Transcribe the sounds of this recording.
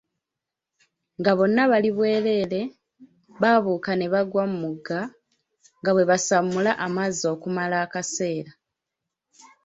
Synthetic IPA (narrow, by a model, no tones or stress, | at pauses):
ŋɡaβo̞nːaβaliβwe̞ːle̞ːle̞ | βaβuːkane̞βaɡwamumuɡa | ŋɡaβwe̞βasamulaʔamazo̞ːkumalaːkase̞ːɾa